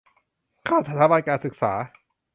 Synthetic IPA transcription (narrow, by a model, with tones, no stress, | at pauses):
kʰaː˥˩wt̪ʰa˦˧t̪ʰaː˩˦baː˧nkaː˧nsɯ˨˩k̚sa̰ː˩˦